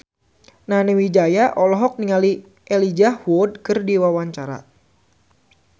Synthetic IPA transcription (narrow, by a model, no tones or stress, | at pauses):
nanewid͡ʒajaʔɔlɔɦɔk̚niŋali | ʔelid͡ʒawɔd̚kɨrdiwawaɲt͡ʃaɾa̰